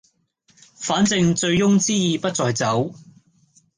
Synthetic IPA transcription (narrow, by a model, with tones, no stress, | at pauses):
faː˨˥nt͡sɪ˧ŋt͡ʃt͡sɵ˧ɥjʊ˥ŋt͡siː˥jiː˨˧pɐ˥t̚t͡sɔː˨˧jt͡sɐ˨˥w